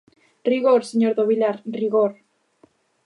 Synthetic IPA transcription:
riɣoɾseɲoɾðoβilaɾriɣoɾ

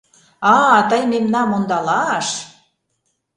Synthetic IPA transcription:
ɑt̪əjmemnɑmond̪ɑlɑʃ

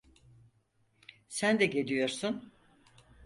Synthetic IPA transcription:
sænd̪ɛɟe̞lʲijo̞ɾsun

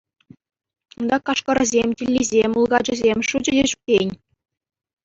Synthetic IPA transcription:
und̪ɑkɑʂkɤ̆ɾɤ̆zʲemʲtʲilʲːizʲemʲulˠɡɑd͡ʑɤ̆zʲemʲʂud͡ʑɘ̆dʲeɕuk̚tʲenʲ

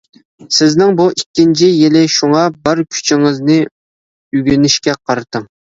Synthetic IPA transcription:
sɪznɪŋbuʔikʲːint͡ʃʰijɪlɪʃuŋɑbɪɾkʲʰy̥t͡ʃʰiŋɨznɨ | yɡʲynɪʃkʲɛqʰɑɾɨt̪ʰɨŋ

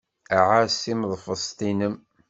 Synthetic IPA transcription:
æʕasimðˤfəsˤt̪ˤinəm

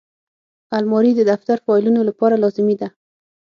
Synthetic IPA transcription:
almɑɾid̪əd̪aft̪aɾfɑlunolapɑɾalɑzɪmid̪a

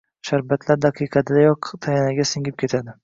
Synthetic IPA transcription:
ʃaɾbat̪ʰlaɾd̪aqʰɨjqʰɑd̪ɪd̪ajɒqt̪ʰajanaɡʲasɪŋʲɪp̚kʲʰe̞t̪ʰad̪ɪ

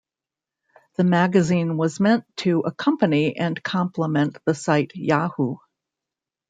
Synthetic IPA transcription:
ðɨmæɡɨzĩnwʌzmɛ̃ntʰɨʔəkʰʌ̃mpɨniʔɨ̃nkʰɑ̃mpʰləmɛ̃nðɨsaɪtjɑhu

